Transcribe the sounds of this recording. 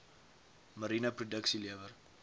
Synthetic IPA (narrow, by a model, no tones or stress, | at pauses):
məɾinəprudəksiliəvər